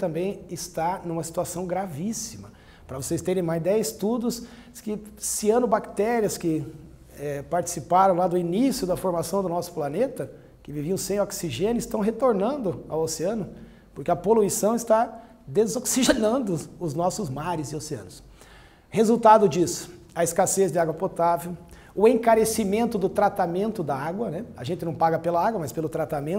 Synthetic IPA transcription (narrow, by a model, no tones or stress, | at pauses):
t̪ɐ̃mbẽj̃ɪst̪anũmɐsi̥t̪uasɐ̃w̃ɡɾavisimɐ | pɾɐvosejst̪eɾẽj̃majzd̪ɛjzɪst̪ud̪ʊs | kɪsiɐ̃nʊbakt̪ɛɾiɐskɪ | ɛpaɾt͡ʃi̥sipaɾɐ̃w̃lad̪ʊinisjʊd̪ɐfoɾmasɐ̃w̃d̪ʊnɔsʊ̥planet̪ɐ | kɪviviɐ̃w̃sẽj̃oksiʒẽnʊɪst̪ɐ̃w̃ɦet̪oɾnɐ̃nd̪ʊa̰woseɐ̃nʊ | poʊɾkɪɐpoluisɐ̃w̃ɪst̪a | d̪ezoksiʒenɐ̃nd̪ʊʊznɔsʊzmaɾɪzɪoseɐ̰̃nʊs | hezuwt̪ad̪ʊd͡ʒisʊ̥ | ɐɪskasezd͡ʒ̪ɪaɡwɐpot̪avew | ʊẽkaɾesimẽnt̪ʊd̪ʊt̪ɾat̪amẽnt̪ʊd̪ɐaɡwɐnɛɐ̰ʒẽnt̪ɪnɐ̃w̃paɡɐpelɐaɡwɐmaspelʊt̪ɾat̪amẽ